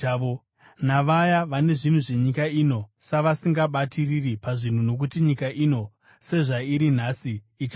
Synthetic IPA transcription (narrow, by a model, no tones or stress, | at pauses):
naʋajaʋane̞ʐin̤wuʐeɲikaino̞saʋasiŋɡaɓatiriripaʐin̤uno̞k̬utiɲikaʔino̞ | se̞ʐaiɾin̤asiː | t͡ʃa